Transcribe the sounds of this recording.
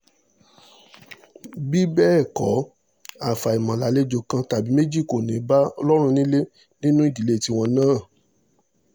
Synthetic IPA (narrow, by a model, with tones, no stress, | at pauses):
bi˦bɛ˦ɛ˦˨kɔ˨˦ | a˨fa˨i˨mã˨la˨˦le˦d͡ʒo˧kã˧ta˨bi˨˦me˦d͡ʒi˦˨ko˨nẽ˨˦ba˦ɔ˧lɔ˦ɾ̃ũ˧nĩ˦le˦ | nĩ˦nũ˦i˦˨di˨le˦˨ti˦w̃ɔ̃˧nãː˦˨